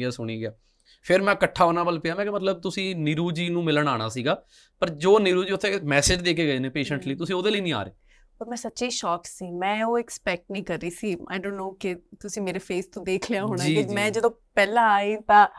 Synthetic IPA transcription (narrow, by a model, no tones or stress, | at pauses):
ɡaːsʊɽ̃iːɡɪjaː | pʰɪɾmɛ̃ːkəʈʰːaːoːnaːbəlpɪjaːmɛ̃ːkemət̪ləb̚t̪ʊsĩːnɪɾuːd͡ʒiːnũːmɪləɳaːɽ̃a̰ːsiːɡaː | pəɾd͡ʒoːnɪɾuːd͡ʒiːʊt̪ʰːeːmɛːsɪd͡ʒd̪eːkeːɡəeːnẽːpeːʃə̃ɳʈliːt̪̬ʊsĩːoːd̪eːliːnĩːa̰ːɾḛː | əɾmɛ̃ːsətːʃeiːʃɔːksiːmɛ̃ːoːɪkspɛk̚ʈnĩːkəɾːiːsiːa̰ːɪjɖõːnːoːkɪt̪ʊsĩːmeːɾeːpʰeːst̪õːd̪eːkʰljaːɦoːɽaiːemɛ̃ːd͡ʒəd̪õːpɛːlãːaːiːt̪ãː